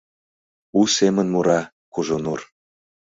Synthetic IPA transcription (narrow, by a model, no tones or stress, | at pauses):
usemə̆nmuɾɑ | kuʒonur